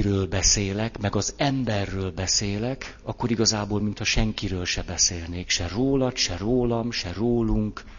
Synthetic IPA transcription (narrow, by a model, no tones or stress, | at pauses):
ɾøːlbɛseːlɛkmɛɡɒzɛmbɛrːøːlbɛseːlɛk | ɒkːoɾiɡɒzaːboːlmint̪hɒʃɛŋkiɾøːlʃɛbɛseːlneːkʃɛroːlɒt̪ʃɛroːlɒmʃɛroːluŋk